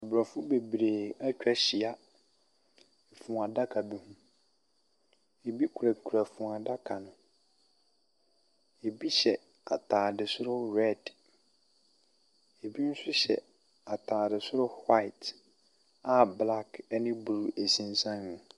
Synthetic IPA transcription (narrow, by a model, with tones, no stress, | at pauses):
a˨bɾɔ˨fʊ˦be˨bɾeː˨a˦t͡ɕᶣɛ˦ɕi˨a˦ | ɛ˨fʊ̃˨a˨da˦kʰa˨bi˨hũ˦ | e˨bi˦kʰu˨ɾæ˨kʰu˨ɾa˨fũ˨a˨da˦kʰa˨nʊ̃˨ | e˨bi˦ɕɛ˨ | a̰˨tʰaː˨dɪ˨sʊ˦ɾʊ˦ɾɛ˦˨d | e˨bi˦n̩˦sʊ˦ɕɛ̰˨ | a˨tʰaː˨dɪ˨sʊ˦ɾʊ˦ha˦ɪ˨t | a˨bla˦knɪ̃˦bu˨ɾu˨ʔe˨sĩ˨n˦sã˦nnʊ̃˨